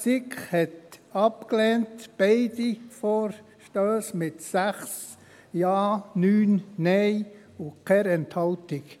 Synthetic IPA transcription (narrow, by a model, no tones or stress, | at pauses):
sikχhɛtɑpklɛːntb̥ɛɪdifoːɾʃtøːsmɪtsæχs | jɑːnyːnnɛɪ | ʊkʰɛɾɛnthɑʊtɪk